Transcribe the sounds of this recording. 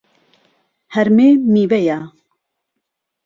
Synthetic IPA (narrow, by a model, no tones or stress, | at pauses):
hɛɾmeːmiːvɛja